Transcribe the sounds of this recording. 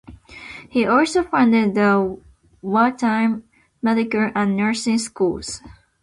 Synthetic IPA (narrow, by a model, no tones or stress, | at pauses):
hiʔɔlsofʌ̃ndɪd̪̚ðə | wɛltʰãɪ̃mː | ɛdɪkəlʔə̃nːə˞sɪ̃ŋskulz̥